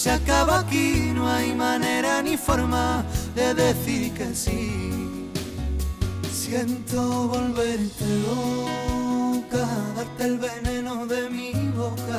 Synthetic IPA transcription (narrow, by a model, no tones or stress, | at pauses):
seakaβakinoajmane̞ɾanifo̞ɾmaðe̞ðe̞θiɾkesi | sje̞nt̪oβo̞lβe̞ɾt̪elo | kaðaɾt̪elβe̞ne̞noðe̞miβo̞ka